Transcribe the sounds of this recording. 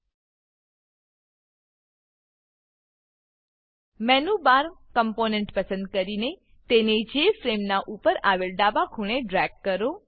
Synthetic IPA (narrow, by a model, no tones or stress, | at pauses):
mɛnubaɾkəmponẽɳʈpəsənd̪̚kəɾine | t̪ened͡ʒefɾemnaʔupəɾaʋelɖabakʰuɳeɖɾɛɡ̚kəɾo